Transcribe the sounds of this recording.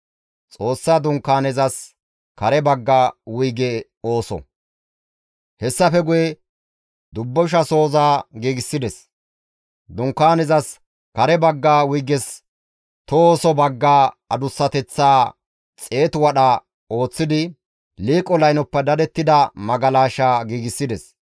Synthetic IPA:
t͡sʼo̞ːsːad̪ʊŋkːaːnɛzɐs | kɐɾɛbɐɡːaːwʊjɡɛ | o̞ːsɔ̰ | hɛsːɐfɛɡʊjɛ | d̪ʊbːɔʃ̬ɐso̞ːzaːɡiːɡɪsːɪd̪ɛs | d̪ʊŋkːaːnɛzɐs | kɐɾɛbɐɡːaːwʊjɡɛs | t̪ɔoːsɔbɐɡːaː | ɐd̪ʊsːɐt̪ɛt͡sːaː | t͡sʼe̞ːt̪ʊwɐɗɐ | o̞ːt͡sːɪd̪ɪ | liːkʼɔlɐjnɔpːɛd̪ɐd̪ɛt̪ːɪd̪ɐmɐɡɐlaːʃaːɡiːɡɪsːɪd̪ɛs

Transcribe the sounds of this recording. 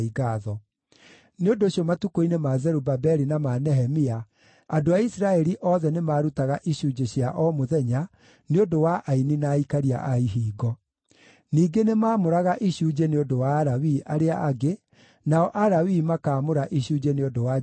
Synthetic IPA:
iɡaðɔ | neondoɕjɔmatukoinemazɛɾubabɛɾinamanɛɦɛmia | adoaisɾaɛɾiʔɔːðɛnemaːɾutaɣaʔiɕuːd͡ʒeɕjaʔɔmoðɛɲa | neodowaʔaininaikaɾia̰ʔaiɦiːɡɔ | niːɡenemaːmoɾaɣaʔiɕuːd͡ʑeneodowaːɾawiʔaɾeaʔaɡe | naɔʔaɾawimakaːmoɾaʔiɕuːd͡ʒeneodowa

